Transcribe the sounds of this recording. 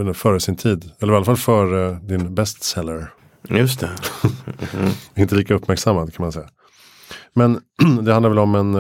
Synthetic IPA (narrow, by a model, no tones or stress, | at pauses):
nəfœːɾəsɪnt̪ʰiːd̪ɛlːəɾɪalafalfœːɾəd̪ɪnbɛst̪sɛlːəɾ | jɵst̪ʰɛ | ɪnt̪əliːkaɵpːmæɾksamːad̪kʰanmansɛjːa | mɛnd̪ɛhanavɛlɔmɛn